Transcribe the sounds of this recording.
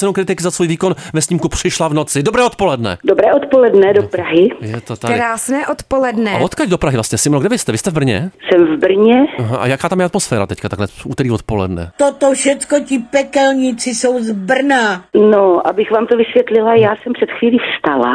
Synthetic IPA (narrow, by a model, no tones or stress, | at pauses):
sɛnowkɾɪt̪ɪkɪzasvuːjviːko̞nvɛsɲiːmkupr̥ɪʃlavnot͡sɪdobɾɛːʔot̪̚po̞lɛdnɛ̰dobɾɛːʔot̪polɛdnɛdopɾaɦɪjɛt̪ot̪akɾaːsnɛːʔot̪polɛdnɛvot̪kaɟdopɾaɦɪvlast̪ɲɛsɪmnoɡdɛvɪst̪ɛvɪst̪ɛvbr̩ɲɛ̰sɛmvbr̩ɲɛaɦaʔa̰jakaːt̪amjɛʔat̪mosfɛːɾa̰t̪ɛckat̪aklɛʔuːt̪ɛɾiːvot̪polɛ̰dnɛ̰t̪ot̪oʃɛt͡skocɪpɛkɛlɲɪt͡sɪsowzbr̩nanoʔabɪxvaːmt̪ovɪsvjɛt̪lɪlajaːsɛmpr̥ɛt̪xviːliːfst̪ala̰